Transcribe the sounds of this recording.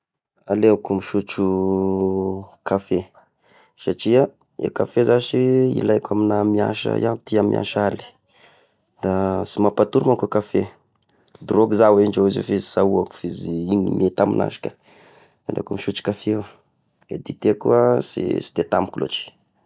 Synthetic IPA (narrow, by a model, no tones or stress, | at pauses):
alekumiʃut͡ʃu | kʰafe | saʈ͡ʂia | ḛkafezaʃiḭlajkaminamia̰ʃə̰jant̪iamia̰ʃali̥ | d̪asimapat̪uɾumakukafe | d̪roɡuzaweɳɖ͡ʐoizefizi̥sauaku̥fiziiɲḭmiet̪amḭna̰ʃi̥kə̥ | alḛkumiʃut͡ʃu̥kafe | ḛd̪it̪ekṵasḭsi̥d̪et̪amukulo̰ʈ͡ʂi̥